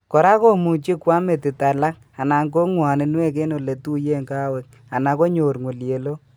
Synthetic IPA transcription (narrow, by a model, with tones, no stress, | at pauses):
kɔ˨ɾa˦ko˦mu˨t͡ʃi˦kwa˦me˨ti˨ta˨la˦k̚ | a˨na˨ŋko˦ŋwa˨nɪ˨nwe˦k̬e˦no˨le˨tu˦je˦ŋka˦wɛ˨k̚ | a˨na˨ko˦ɲo˨ɾŋu˨lje˨lo˦